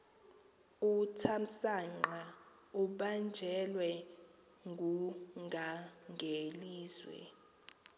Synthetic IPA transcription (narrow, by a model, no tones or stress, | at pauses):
utʰam̩saŋ͡ǃa | uɓand͡ʒʱɛlwɛ | ŋɡʱuŋɡʱaŋɡʱeliːzwɛ̰